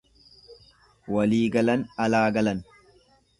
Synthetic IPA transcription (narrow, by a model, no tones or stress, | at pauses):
wɐliːɡɐlɐnɐlaːɡɐlɐn